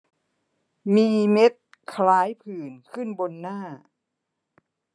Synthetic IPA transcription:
miː˧me˦˥t̪̚ | kʰlaː˦˥jpʰɯː˨˩nkʰɯ˥˩nbo˧nːaː˥˩

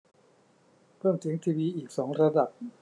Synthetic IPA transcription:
pʰɤː˥˩mt͡ɕʰi˩˦ŋt̪ʰiː˧wiː˧ʔiː˨˩k̚sɔː˩˦ŋɾa˧da˨˩p̚

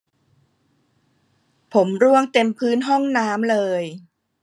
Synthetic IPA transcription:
pʰo˩˦mɾu˥˩əŋt̪e˧mpʰɯː˦˥nɦɔ˥˩ŋnaː˦˥mlɤː˧j

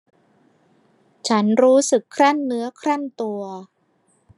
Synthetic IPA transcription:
t͡ɕʰa˦˥nɾuː˦˥sɯ˨˩kʰːɾa˥˩nːɯ˦˥ɐkʰɾa˥˩nt̪u˧ɐ

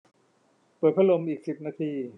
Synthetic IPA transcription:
pəɤː˨˩t̪̚pʰa˦˥lo˧mʔiː˨˩k̚si˨˩p̚naː˧t̪ʰiː˧

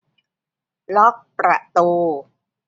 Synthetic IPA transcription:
lɔ˦˥k̚pɾa˨˩ʔt̪uː˧

